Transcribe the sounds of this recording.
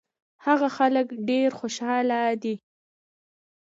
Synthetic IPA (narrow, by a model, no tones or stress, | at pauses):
haɣaxaləkɖeɾxoʃɑlad̪i